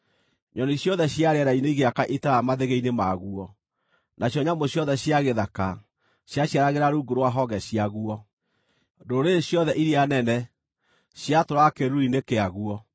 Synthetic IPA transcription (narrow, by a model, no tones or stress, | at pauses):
ɲɔniɕjɔðɛɕjaɾɛɾaineiɣeakaʔitaɾamaðeɣeinemaɣuɔ | nʔaɕjɔɲamoɕjɔðɛɕjaɣeðaka | ɕjaɕjaɾaɣeɾaɾuɡoɾwaɦɔɣɛɕiaɣuɔ | doɾeɕjɔðɛʔiɾeanɛnɛ | ɕjatoɾakeɾuinekeaɣuɔ